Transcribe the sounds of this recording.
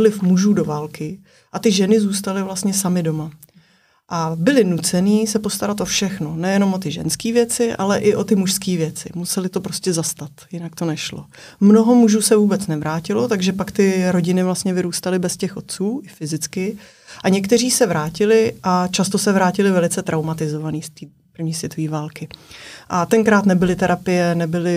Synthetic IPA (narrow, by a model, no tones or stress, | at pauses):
lɪfmuʒuːdo̞vaːlkɪ | ʔat̪ɪʒɛnɪzuːst̪alɪvlast̪ɲɛsamɪdo̞ma | ʔabɪlɪnut͡sɛniːsɛpo̞st̪aɾat̪ʔo̞fʃɛxno̞nɛjɛno̞mʔo̞t̪ɪʒɛ̰nskiːvjɛt͡sɪʔa̰lɛʔɪʔo̞t̪ɪmuʃskiːvjɛt͡sɪ̰musɛlɪt̪o̞pɾo̞scʲɛzast̪at̪jɪnak̚t̪o̞nɛʃlo | mno̞ɦomuʒusɛvuːbɛt͡snɛvɾaːcɪlo̞t̪aɡʒɛpakt̪ɪɾo̞ɟɪnɪvlast̪ɲɛvɪɾuːst̪alɪbɛscɛxʔo̞t̪̚t͡suːɪfɪzɪt͡skɪ | ʔaɲɛkt̪ɛr̝iːsɛvɾaːcɪlɪʔat͡ʃast̪o̞sɛvɾaːcɪlɪvɛlɪt͡sɛt̪ɾʔawmat̪ɪzo̞vaniːst̪iː | pr̩vɲiːsvjɛt̪oviːvaːlkɪʔat̪ɛŋkɾaːt̪nɛbɪlɪt̪ɛɾapɪjɛnɛbɪlɪ